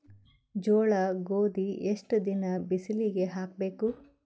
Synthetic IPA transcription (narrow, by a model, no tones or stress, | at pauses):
d͡ʒɔːɭɐɡoːd̪ieʂʈd̪inɐbisiliɡe̞ɦaːk̚be̞ːku